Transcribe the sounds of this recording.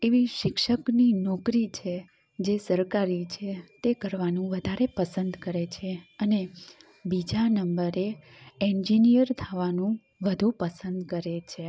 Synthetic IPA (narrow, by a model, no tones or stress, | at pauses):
eʋiʃɪkʃəkninɔkɾit͡ʃʰe | d͡ʒesəɾkaɾit͡ʃʰet̪ekəɾʋanũʋəd̪ʱaɾepəsənd̪kəɾet͡ʃʰeəne | bid͡ʒanəmbəɾe | ɛ̃nd͡ʒinijəɾt̪ʰaʋanũ | ʋəd̪ʱupəsənd̪kəɾet͡ʃʰe